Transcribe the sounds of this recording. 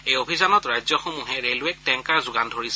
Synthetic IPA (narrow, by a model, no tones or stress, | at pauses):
ejobʱizanɔtɹajzjɔxomuɦɛɹelʊɛk̚tɛŋkaɹzʊɡandʱoɹisɛ